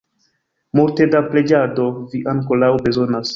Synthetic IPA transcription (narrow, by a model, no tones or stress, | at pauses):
muɾte̞daple̞d͡ʒado̞viʔaŋkolawbe̞zo̞nas